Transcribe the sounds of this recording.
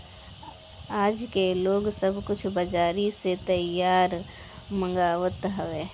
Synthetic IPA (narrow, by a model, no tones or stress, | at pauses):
aːd͡ʒkeloːɡsəbkʊt͡ʃʰbəd͡ʒaːɾiset̪əjaːɾ | mə̃ŋɡaːʋət̪ɦəʋeː